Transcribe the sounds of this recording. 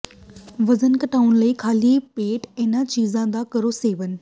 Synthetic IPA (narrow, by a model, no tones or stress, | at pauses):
ʋɐzənkɐʈaːʊnlɐiːkʰaːlipeːʈenãt͡ɕiːzãd̪akɐɾoseːʋənɪ̆